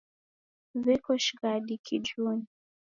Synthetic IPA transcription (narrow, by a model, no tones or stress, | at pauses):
zɛkɔʃɡadikʰid͡ʒuni